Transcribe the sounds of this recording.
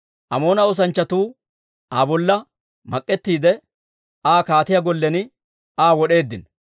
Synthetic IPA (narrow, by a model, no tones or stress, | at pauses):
ʔɐmo̞ːnɐɔs̬ɐnt͡ʃːɐt̪uː | ʔaːbɔlːɐ | mɐkʼːɛt̪ːiːd̪ɛ | aːkaːt̪ɪjaɡɔlːɛnɪ | aːwɔɗe̞ːd̪ːɪn